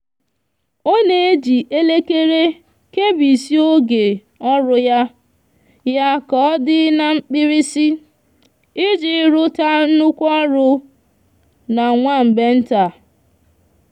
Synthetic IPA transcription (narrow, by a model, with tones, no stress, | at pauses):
o˦ne˨e˦d͡ʒi˨ʔe˦le˦ke˦ɾe˦ | ke˦bi˨si˦o˦ɡe˨ | ɔ˦ɾʊ˨ja˦ | ja˦kɔ˦dɪ˦na˦ŋ͡m̩˦k͡pɪ˦ɾi˦si˦ | ɪ˦d͡ʒɪ˨˦ɾʊ˦ta˦n̩˦nʊ˦kʷɔ˦ɾʊ˦ | na˨ŋʷa˦˨m̩˨be˦n̩˦ta˨